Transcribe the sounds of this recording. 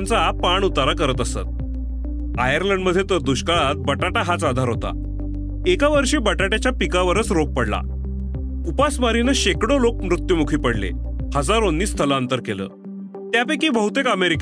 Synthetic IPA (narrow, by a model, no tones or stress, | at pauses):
nt͡sapaɳut̪aɾakəɾət̪əsa̰t̪̚ | ajəɾləɳɖməd̪ʱjet̪əɾd̪uɕkaɭat̪̚bəʈaʈaɦat͡sad̪ʱaɾɦot̪a̰ | ekaʋəɾɕiːbəʈaʈat͡ɕjapikaʋəɾət͡sɾok̚pəɽla̰ | upasmaɾinəɕekɽolok̚mɾut̪jumukʰiːpəɽlḛhəd͡zaɾonːiːst̪ʰəlaənt̪əɾkelə̰ː | t̪japekiːbəɦut̪ekəmeɾik